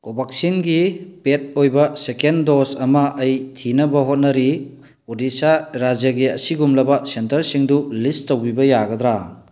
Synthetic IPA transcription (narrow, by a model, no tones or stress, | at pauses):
kobak̚sinɡipet̚ojbɐsekendosɐmɐʔɐjtʰinɐbɐɦot̚nɐɾi | odisaɾad͡ʒjɐɡiɐsiɡumlɐbɐsentɐɾsiŋdulistowbibɐjaɡɐd̪ɾa